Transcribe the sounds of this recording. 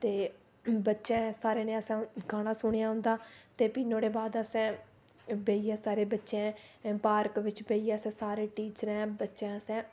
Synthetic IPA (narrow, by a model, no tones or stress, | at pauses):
t̪eː | bətːʃɛ̃ːsaːɾeːnẽːəsɛ̃ːkʰaːɽ̃ãːsʊɽ̃jaːɦʊ̃nd̪aːt̪eːpɪnːõːɽeːbaːd̪əsɛ̃ː | beiːɛːsaːɾeːbətːʃẽpaːɾkʋɪt͡ʃbeːiːɛːəsɛ̃ːsaːɾeːʈiːt͡ʃəɾɛ̃ːbətːʃɛ̃ːəsɛ̃ː